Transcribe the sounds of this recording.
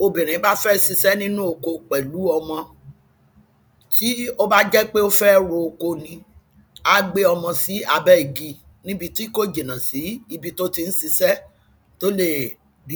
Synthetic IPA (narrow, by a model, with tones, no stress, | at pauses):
o˧bĩ˨ɾ̃ĩ˨˦ba˦fɛ˦si˧sɛ˦nĩ˦nũ˦o˧˨ko˧k͡pɛ˨lu˨˦ɔ˧mɔ̃˧ | ti˦o˦ba˦d͡ʒɛ˦k͡pe˦o˦fɛ˦ɾo˧o˧ko˧nĩ˧ | a˦ɡ͡be˦ɔ˧mɔ̃˧si˨˦a˧bɛ˦i˨ɡi˧ | nĩ˦bi˧ti˦ko˦d͡ʒe˨nã˨si˨˦i˧bi˧to˦ti˧n̩˦si˧sɛ˦ | to˦le˦˨ | bi˨˦